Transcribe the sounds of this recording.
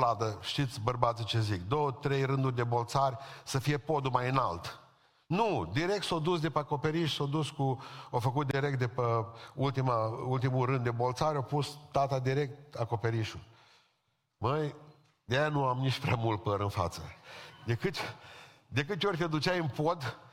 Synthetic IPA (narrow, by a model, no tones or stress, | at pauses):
lad̪əʃt̪it̪sʲbərbat̪sit͡ʃe̞zikd̪o̞wət̪ɾe̞jrɨnd̪urʲd̪e̞bo̞lt̪sarʲsəfije̞po̞d̪umajɨnalt̪ | nud̪iɾe̞k̚t̪sod̪us̬d̪epəako̞pe̞ɾiʃsod̪uskuofəkut̪̚d̪iɾe̞k̚t̪̚d̪epəult̪imault̪imuɾɨnd̪e̞bo̞lt̪saɾʲawpust̪at̪ad̪iɾe̞k̚t̪ako̞pe̞ɾiʃul | məj | d̪ejanuamnit͡ʃʲpɾeamult̪̚pəɾɨnfa̰t̪sə̰d̪ekɨt̪ | d̪e̞kɨt̪orʲt̪ʲed̪ut͡ʃajɨnpo̞d̪